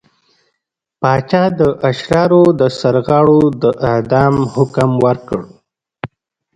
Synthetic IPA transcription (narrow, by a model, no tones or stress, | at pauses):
pɑt͡ʃɑd̪əʔaʃɾɑɾod̪əsaɾɣɑɽod̪əʔɪhd̪ɑmhʊkmwəɾkəɽ